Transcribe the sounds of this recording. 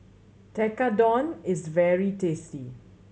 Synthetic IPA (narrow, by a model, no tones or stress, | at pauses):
tɛkadɔ̃nɪzvɛɹitesi